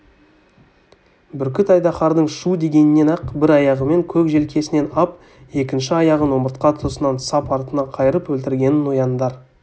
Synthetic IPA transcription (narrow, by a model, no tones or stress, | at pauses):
bʏɾkʲɪt̪ɑjd̪ɑχɑɾd̪əɴʃud̪e̞ɡʲe̞nɪnːe̞næqbɪɾɑjɑʁəme̞ŋkʲʰɵkʒe̞lkʲʰe̞sɪne̞nɑp | e̞kʲɪnʃɪɑjɑʁəno̞məɾt̪̚qɑt̪ʰəsənɑnsɑpɑɾt̪ənɑqʰɑjəɾəpwɵlt̪ɪɾɡʲe̞nɪnwo̞jɑnd̪ɑɾ